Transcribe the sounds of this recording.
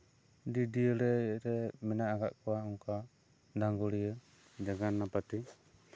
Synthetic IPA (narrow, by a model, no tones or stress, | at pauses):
didiəɾɛɾɛmɛnaːkaʔkuwauŋka | daŋɡɔɾiə | d͡ʒaɡanːapat̪i